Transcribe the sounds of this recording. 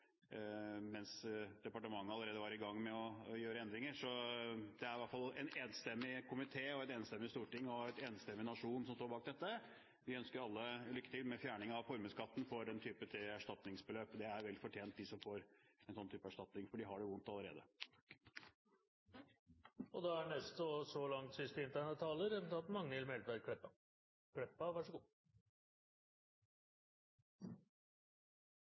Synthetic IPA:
mɛnsd̪̥ɛpɑʈəmɑŋːəɑləɾeːd̪əʋɑɾɪɡɑŋːmɛɔjøːɾəɛnd̪ɾɪŋəʂɔd̪̥ɛæɾʋæʈfɑlɛneːnst̪ɛmːɪkʰʊmɪt̪ʰeːɔɛt̪eːnst̪ɛmːɪst̪uːʈɪŋːɔɛt̪eːnst̪ɛmːɪnɑʂuːnsɔmst̪oːɾbɑːk̚d̪ɛt̪ːə | ʋɪœnskəɾɑlːəlʏkːət̪ɪlmɛfjæːɳɪŋɑʋfɔɾməskɑt̪ːn̩fɔɾɛnt̪ʰyːpət̪ʰɪæʂʈɑt̪nɪŋsbəløːpd̪ɛæɾʋɛlɪfɔʈʰjeːnt̪̚d̪ɪsɔmfoːɾɛnsɔnːt̪yːpɑæʂʈɑt̪nɪŋfɔɖɪɦɑɖɛʋʊnt̪ɑləɾḛːd̪ə | ɔd̪ɑæɳɛst̪ɔsɔlɑŋt̪sʏst̪ɪnt̪ʰæɳət̪ʰːɑːləɾɛt̪ʰɑt̪mɑŋːəɪlmɛlʋæɾkʰɽɛpːɑ | kʰɽɛpːɑʋɑʂəɡuː

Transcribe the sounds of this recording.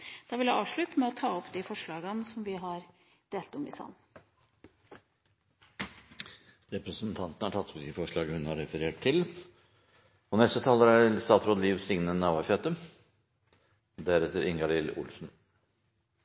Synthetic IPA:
d̪̥ɑːʋɪljæɑːʋʂɭʉt̪mɛɔt̪ʰɑːɔpd̪ɪfɔʂɭɑːɡənsɔmʋɪɦɑɾ | d̪̥eːlt̪ɔmɪ̰sɑ̰n | ɾɛpɾəsənt̪ʰɑnt̪ənəhɑʈʰɑt̪ːɔpd̪ɪfɔʂɭɑːɡəhʉnhɑɾɛfəɾeːʈt̪ʰːɪl | ɔnɛst̪ət̪ʰɑlːəɾæst̪ɑːt̪ɾoːd̪əliːʋsɪŋnənɑːʋɑçøt̪ə | d̪æɾɛt̪əɾɪŋɡɑlɪlʊ̰ːlsn̩

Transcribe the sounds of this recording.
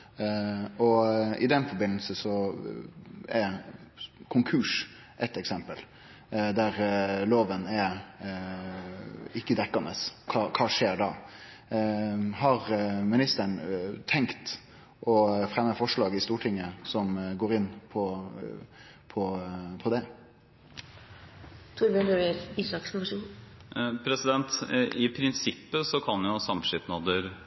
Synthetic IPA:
ɔɪd̪ɛnfɔɾbɪnəlsəsɔ | ɛ | kʰʊŋkʰʉːʂ | ʔɛt̪ɛksɛmpəl | d̪æɾloːʋənɛ | ɪkːəd̪ɛkːɑnəskʰɑkʰɑːʂeːɾɖɑ | ɦɑɾmɪnɪst̪əɳt̪ʰɛŋkt̪ | ʔɔfɾɛmːəfɔʂɭɑːɡɪst̪uːʈʰɪŋːəsɔmɡoːɾɪnːpʰɔ | pʰɔpʰɔd̪ɛ | t̪ʰʊɾbənøɾəiːsɑksʊmʂuːn | pʰɾɛsɪd̪ɛnt̪ɪpʰɾɪnsɪpːəsɔkʰɑnjʊsɑmʂɪt̪nɑd̪əɾ

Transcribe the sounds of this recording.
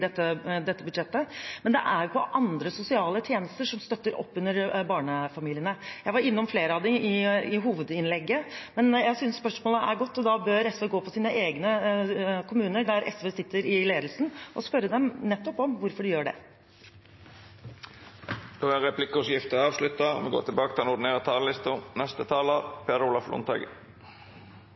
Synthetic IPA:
d̪ɛt̪ːəd̪ɛt̪ːəbʉd̪ʂɛt̪ːəmɛnd̪ɛ̰ʔæɾpʰɔʔɑnd̪ɾəsʊsɪɑːlət̪ʰjeːnəst̪əʂɔmst̪œt̪ːəɾɔ̰pːʉnːəɾbɑːɳəfɑmiːlɪənəjæɪʋɑɾɪnːɔmfleːɾəɑʋd̪ɪʔɪɪɦuːʋəd̪ɪnlɛɡːəmɛnjæɪsʏnsːpœʂmoːləʔæ̰ɾɡɔt̪ːɔd̪ɑbøːɾɛsʋeːɡoːpʰɔsiːnəʔeːɡnə | kʰʊmʉːnəɖæɾʔɛ̰sʋeːsɪt̪ːəɾɪleːd̪lsn̩ʔɔ̰spœɾːəd̪ɛmnɛt̪ːɔpɔmʋʊɾfɔɖɪjøːɖɛ̰ | d̪oæɾɛplɪkʊsjɪft̪əɑːʋʂlʉt̪ːɑmɛ̰ɡo̰ːɾt̪ʰɪlbɑːkət̪ɪlɑnʊd̪neːʁət̪ʰɑːllɪst̪ʊnɛst̪ət̪ʰɑːləpʰeːd̪əɾʊːlɑflʊ̰ːnt̪ʰɑ̰ːɡə̰

